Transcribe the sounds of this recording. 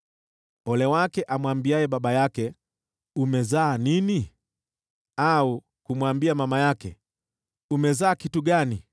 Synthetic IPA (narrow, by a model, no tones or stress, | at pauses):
ɔlɛwakɛʔamwambiajɛɓaɓajakɛ | umɛzaːnini | au | kumwambiamamajakɛ̰ | umɛzaːkituɠani